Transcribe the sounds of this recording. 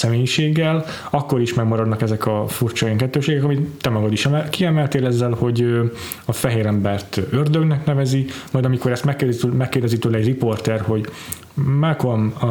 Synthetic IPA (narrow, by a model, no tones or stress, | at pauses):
sɛmeːjiʃeːɡːɛl | ɒkːo̞ɾiʃmɛɡmɒɾɒd̪nɒkɛzɛkɒfurt͡ʃɒjiŋkɛt̪ːøːʃeːɡɛkɒmit̪ːɛmɒɡɒd̪iʃɛɛkiɛmɛlt̪eːlɛzːɛlho̞ɟø | ɒfɛɦeːɾɛmbɛrt̪ørd̪øɡnɛknɛvɛzimɒjd̪ɒmiko̞ɾɛst̪mɛkːeːrmɛkːeːrd̪ɛzit̪ølɛɟripo̞rt̪ɛrho̞ɟ | mɛlkolm